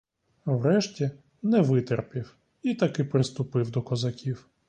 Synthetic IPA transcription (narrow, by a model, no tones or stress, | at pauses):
wɾɛʃtʲi | nɛʋɪt̪erpʲiw | it̪ɐkɪpɾɪst̪ʊpɪwd̪ɔkɔzɐkʲiw